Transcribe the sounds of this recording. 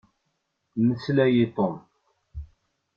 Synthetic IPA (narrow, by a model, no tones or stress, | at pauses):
məslæjit̪ˤom